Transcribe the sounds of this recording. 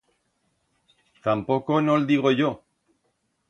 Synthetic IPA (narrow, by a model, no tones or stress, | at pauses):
t̪ampo̞ko̞nold̪iɣ̞o̞ʝo